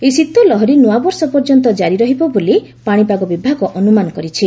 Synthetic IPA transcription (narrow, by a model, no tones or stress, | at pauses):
esit̪ɔlɔɦɔɾinuabɔɾsɔpɔɾd͡ʒɔnt̪̬ɔd͡ʒaɾiɾɔɦibɔbolipaɽ̃ipaɡɔbibʱaɡɔʔɔnumanɔkɔɾit͡ʃʰi